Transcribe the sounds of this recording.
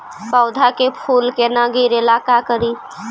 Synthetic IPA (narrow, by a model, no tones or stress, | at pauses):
paʊd̪ʱakepʰulkenaɡiɾelakakəɾi